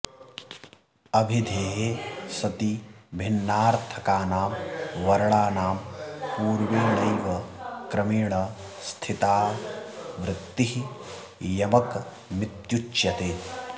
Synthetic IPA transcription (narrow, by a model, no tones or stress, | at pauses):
ɐbʱid̪ʱeːɦeːsɐt̪ibʱɪnːaːɾt̪ʰɐkaːnaːmʋɐɾɐɭaːnaːmpuːɾʋiːlɐjʋɐkɾɐmiːɽɐ | st̪ʰit̪aː | ʋɾɪt̪ːiɦi | jɐmɐk | mɪt̪jut͡ʃjɐt̪eː